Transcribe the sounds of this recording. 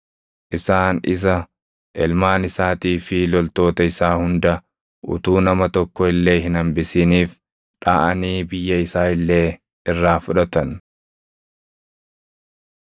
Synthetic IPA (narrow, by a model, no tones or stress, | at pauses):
ʔɪsaːnɪ̰s̬ɐ | ʔɛlmaːnɪsaːt̪iːfɪlɔlt̪o̞ːt̪ɐɪsaːhʊnd̪ɐ | ʔʊ̰t̪uːnɐmɐt̪ɔkːɔɪlːe̞ːɦɪnɐmbɪsɪniːf | ᶑa̰ːʔɐniːbɪjːɐɪsaːɪlːe̞ː | ɪrːaːfʊᶑɐt̪ɐn